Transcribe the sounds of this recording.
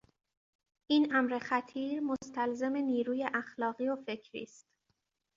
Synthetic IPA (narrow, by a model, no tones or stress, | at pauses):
ʔiːnʔæmɾe̞xæt̪ʰiːɾmost̪ʰælze̞me̞niːɾuːje̞ʔæxlɒːɣiːofe̞cʰɾḭːst̪